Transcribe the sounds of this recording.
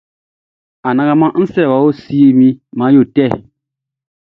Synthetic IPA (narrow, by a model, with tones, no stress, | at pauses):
a˨nã˦ɡa˦mã˦n̩˦sɛ˦ɾɛ˨wa˨˦wo˦si˦i˦mĩ˦mã˨˦jo˦˨tɛ˦˨